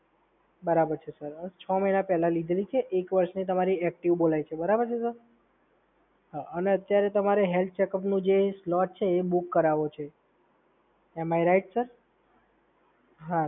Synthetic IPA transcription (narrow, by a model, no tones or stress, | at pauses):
bəɾabəɾt͡ʃʰesəɾət͡ʃʰɔməjnapɛɦlãlid̪ʱelit͡ʃʰeʔekʋəɾʃnit̪̬əmaɾiɛk̚ʈiʋbolajt͡ʃʰebəɾabəɾt͡ʃʰesəɾ | ɦaʔəneət̪jaɾet̪əmaɾeɦelt̪̚ʰt͡ʃekəpnũd͡ʒeslɔʈ̚t͡ʃʰeːbukːəɾaʋot͡ʃʰe | ɛmajɾaiʈsəɾ | ɦa